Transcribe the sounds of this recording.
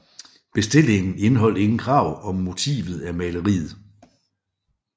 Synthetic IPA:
b̥e̝sd̥e̝l̰e̝ŋn̩e̝nɦɒ̽l̰e̝ŋn̩kʰʁɑ̈ʊɒ̽mːo̝t͡sʰḭːʋð̞̩ˠæmɛːləʁḭːð̞̩ˠ

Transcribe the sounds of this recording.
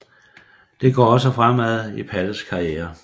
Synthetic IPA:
d̥e̝ɡ̥ɒ̰ːɒ̽səfʁam̰æðˠipʰæləskʰɑ̈ieːɐ

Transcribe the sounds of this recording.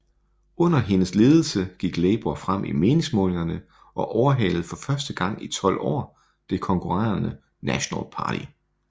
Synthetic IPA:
ɔ̽n̰ɐɦe̝nəsle̝ːð̞ˠəl̩səɡ̥iɡ̥lɛːb̥uɐfʁam̰ʔḭme̝ːne̝ŋsmɔ̽ːle̝ŋɐnə | ʔɒ̽ʔɒʊɐɦɛ̰lð̩ˠfɒ̽fɶɐsd̥əɡ̥ɑ̈ŋ̰it͡sʰɒ̽l̰ɒ̰ː | d̥e̝kʰɒ̽ŋkʰuʁaɐnə | næɕonæ̰lpʰɑ̰̈ːɾʰḭ

